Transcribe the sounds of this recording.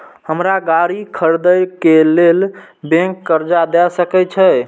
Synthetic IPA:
həmɾaɡaɾikʰəɾd̪əjkelel | bẽŋkːəɾd͡ʒad̪ɛsəkɛt͡ʃʰə

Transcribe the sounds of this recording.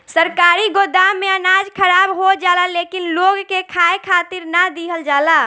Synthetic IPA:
səɾkaːɾiɡod̪amẽənad͡ʒkʰəɾabɦod͡ʒaːlalekinloɡkekʰaekʰaːt̪iɾnəd̪iɦəld͡ʒaːla

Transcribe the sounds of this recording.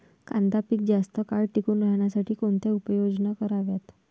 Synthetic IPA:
kãnt̪apiːk̚d͡zast̪əkaɭʈikuːnɾəɦɳjasaʈʰiːkoɳt̪eupəjod͡znakəɾaʋjat̪

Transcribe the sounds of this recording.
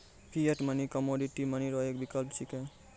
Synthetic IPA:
pijeʈmʌnikɔmoɖiʈimʌniɾɔekbikʌlpsikẽ

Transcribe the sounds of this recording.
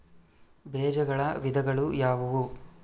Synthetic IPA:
bɛːd͡ʒɐɡɐɭɐʋid̪ɐɡɐɭujaːʋɐʋu

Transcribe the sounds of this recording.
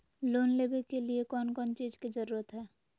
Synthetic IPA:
loːnleːbekeliekɔːnkɔːnt͡ʃiːzked͡ʒəɾuːɾət̪ɦɛː

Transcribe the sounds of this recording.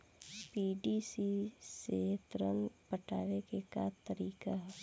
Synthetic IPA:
piːɖiːsiset̪ɾə̰npəʈaːʋekekat̪əɾiːkaɦɛ

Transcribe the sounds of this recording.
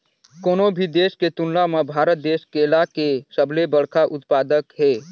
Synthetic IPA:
koːnobʱid̪eːsket̪ʊnlamabʱaːɾət̪̚d̪eːskeːlakesəblebəɽkʰaʔʊt̪paːd̪əkɦeː

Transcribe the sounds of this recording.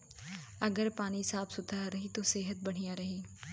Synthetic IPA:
ɐɡəɾpaːnisaːbʰsʊt̪ʰaɾɐɦit̪oseːɦət̪̚bɐɽ̤̃ijaɾɐɦiː

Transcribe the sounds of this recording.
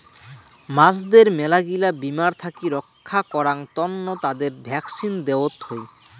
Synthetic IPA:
masd̪eɾmɛlaɡilabimaɾt̪ʰakiɾɔkʰːakɔɾaŋt̪ɔnːot̪ad̪eɾbʱɛksind̪eot̪hoj

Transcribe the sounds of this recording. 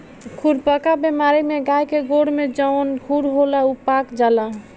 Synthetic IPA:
kʰuɾpəkabemaɾimeɡajkeɡoɽmed͡ʒəonkʰuɽɦolaupakd͡ʒala

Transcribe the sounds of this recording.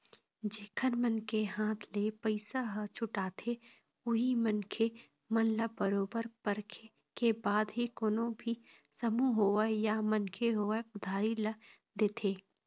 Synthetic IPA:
d͡ʒeːkʰənmənkeɦãːt̪ʰlepəɪsaɦət͡ʃʰʊʈaːt̪ʰe | ʊɦimənkʰe | mɐnlabəɾoːbəɾpəɾkʰe | kebaːd̪ɦikoːnõbʱi | səmuɦoːʋəjamənkʰeɦoːeʊd̪ʱaːɾilə | d̪eːt̪ʰeː

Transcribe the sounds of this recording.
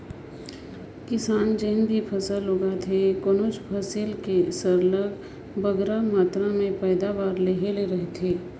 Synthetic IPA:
kɪsaːnd͡ʒeːnbʱipʰəsəlːʊɡat̪ʰekonoːt͡ʃpʰəsɪlkesəɾləɡ | bəɡɾamaːt̪ɾamẽpɛːd̪aʋaːɾleɦeleɾɐɦet̪ʰeː

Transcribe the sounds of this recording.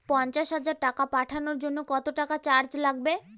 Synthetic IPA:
pɔnt͡ɕaʃɦad͡ʑaɾʈakapaʈʰanoɾd͡ʑonːokɔt̪oʈakat͡ɕaɾd͡ʑlaɡ̚be

